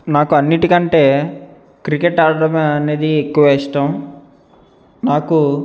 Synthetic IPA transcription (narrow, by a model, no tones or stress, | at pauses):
naːkuɐnːiʈikɐɳʈe̞ː | kɾikeʈaːɾɐɽɐmːne̞ːd̪iekːuʋɐɛsʈ̪aːm | naːku